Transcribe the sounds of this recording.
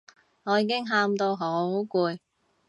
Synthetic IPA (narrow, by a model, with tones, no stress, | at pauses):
ŋɔː˨˧jiː˨˧kɪ˥ŋɦaː˧mt̪o˧wɦo˨˥kuː˧j